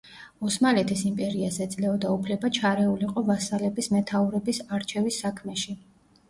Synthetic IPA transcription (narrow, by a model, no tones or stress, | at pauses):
ɔsmalɛt̪ʰisimpʼɛɾiazɛd̪zʼlɛɔd̪aupʰlɛbat͡ʃʰaɾɛuliqʼɔvasalɛbismɛt̪ʰauɾɛbisaɾt͡ʃʰɛvisːakʰmɛʃi